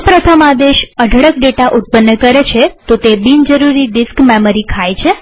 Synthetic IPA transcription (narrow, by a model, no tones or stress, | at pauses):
pɾət̪ʰəmad̪eʃəɖʱəɽək̚ɖeʈaʔut̪̚pənːəkəɾet͡ʃʰet̪ot̪ebind͡ʒəɾuɾiɖɪskmeməɾikʰajt͡ʃʰe